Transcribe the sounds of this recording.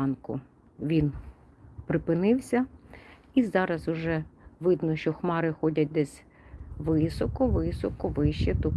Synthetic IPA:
nkʊ | ʋʲin | pɾɪpɪnɪwsʲɐ | izɑɾɐzʊʒɛʋɪd̪nɔʃt͡ʃɔxmɑɾɪxɔdʲɐt̚ʲd̪ɛsʲ | ʋɪsɔkɔʋɪsɔkɔʋɪʃt͡ʃit̪ʊ

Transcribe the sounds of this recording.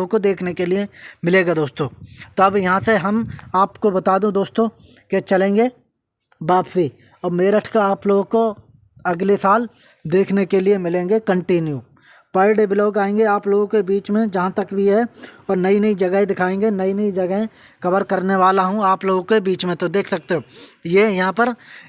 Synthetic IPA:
kod̪eːkʰnekelɪemɪleːɡad̪oːst̪õːt̪oɐbjɐɦãseɦɐmaːpkobɐt̪aːd̪ũd̪oːst̪õː | ket͡ʃɐlẽːŋɡeː | baːpsi | ɐːmeːɾəʈʰkaaːploːɡko | ɐɡlesaːl | d̪eːkʰnekeliemɪlẽːŋ̆ɡekə̃ɳʈinju | pəːɪɖebɪloːkaːẽːŋɡeaːploːɡõkebiːt͡ʃmẽd͡ʒɐɦãt̪ɐkbʱiɦɛɔːɾnɐinid͡ʒɐɡəɦẽd̪ɪkʰaːẽːŋɡenɐinɐid͡ʒɐɡɦẽ | xɐbəɾkɐɾneʋaːlaɦũaːploːɡõkebiːt͡ʃmẽt̪od̪eːkʰsɐk̚t̪eɦõjeːjɐɦãpəɾ

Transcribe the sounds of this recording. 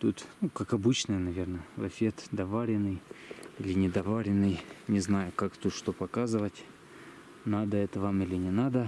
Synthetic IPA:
t̪ut̪nukakɐbɨt͡ɕnəjənɐvʲe̞rnəvɐ̰fʲet̪d̪ɐvaɾʲɪnːɨjilʲɪnʲɪd̪ɐvaɾʲɪnːɨjnʲɪznajʊkakt̪ut̪ʂt̪opɐkazɨvətʲ | nad̪əɛt̪əvamilʲɪnʲɪnad̪ə

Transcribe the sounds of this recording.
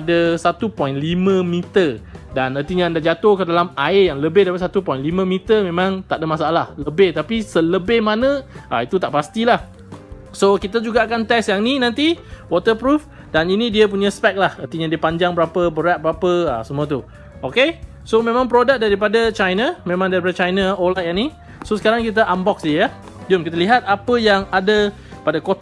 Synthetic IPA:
adəsat̪upɔjnlimə̃mit̪ədanərt̪iɲaːndahd͡ʒat̪ohkədalamaejaŋləbɪhdapatsat̪upɔjnlimə̃mit̪əmẽmãŋt̪aʔdəmasaalahləbɪht̪apisələbɪhmanə̃ʔait̪ut̪aʔpast̪ilah | sokit̪ad͡ʒuɡaːkant̪ɛsjaŋninãnt̪iwɔt̪əpɾuf | daninĩdiəp̬uɲãspɛk̚lahərt̪iɲadiəpaɲd͡ʒaŋbəɾapəbəɾat̪̚bəɾapəə̰səmuət̪̬u | ʔoke | somẽmãŋpɾodək̚daɾip̬adat͡ʃajnamẽmãŋdaɾip̬adat͡ʃajnaolajaŋni | sosəkaɾaŋkit̪̬aʔambɔk̚sdijə | dʊmkit̪̬əliɦat̪̚apəjaŋadə | padakot̪

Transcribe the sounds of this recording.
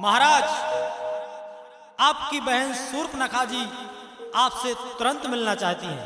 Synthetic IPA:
məɦaɾaːd͡ʒ | aːpkibəɦənsuɾpnəkʰad͡ʒi | aːpset̪ʊɾə̃nt̪mɪlnat͡ʃaɦt̪iɦɛ̰̃

